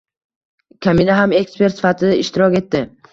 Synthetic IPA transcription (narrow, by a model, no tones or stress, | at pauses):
kʲʰaminaɦame̞kspe̞ɾt̪sɪ̥fat̪ʰɪaɪʃt̪ɪɾɒkʲe̞t̪ːɪ